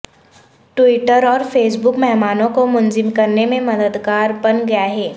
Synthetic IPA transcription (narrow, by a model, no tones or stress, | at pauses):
ʈwiːʈəɾɔːɾfeːs̬bʊkmɛɦmaːnõkomʊnzɪmkɐɾnemẽmɐd̪əd̪kaːɾbɐnɡɐjaɦɛː